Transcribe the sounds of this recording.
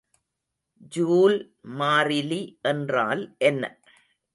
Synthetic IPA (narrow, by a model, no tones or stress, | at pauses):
d͡ʒuːl | maːɾɪliʔɛndra̰ːlʔɛnːɐ̰